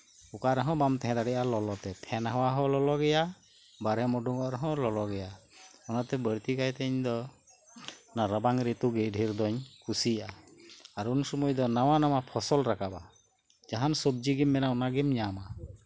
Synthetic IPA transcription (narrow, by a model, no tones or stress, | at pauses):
ukaɾɛɦɔ̃bamt̪ɛɦɛ̃d̪aɽɛʔalɔlɔt̪ɛt̪ʰɛnɦawaɦɔ̃lɔlɔɡɛja | baɾɛmɔɖuŋɔʔɾɔɦɔ̃lɔlɔɡɛjaɔnat̪ɛbəɾt̪ikajt̪ɛɲd̪ɔ | naɾəbaŋɾit̪uɡɛɖʱiɾd̪ɔɲkʰusiʔaaɾunusɔmɔjd̪ɔnawanamapʰɔsɔlɾakaba | d͡ʒaɦansɔb̚d͡ʒiɡimːɛnaɔnaɡɛmɲama